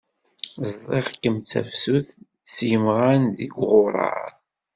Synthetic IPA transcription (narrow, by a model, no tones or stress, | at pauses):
zˤðˤeʁkːəmt͡sːæ̰fsuθ | sjəmʁanðiɡʁʊɾˤɑ̰ɾ